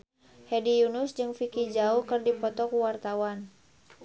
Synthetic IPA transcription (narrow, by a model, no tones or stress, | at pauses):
hɛdijunʊsd͡ʒɨŋfikid͡ʒaukərdipɔt̪ɔkuwart̪awan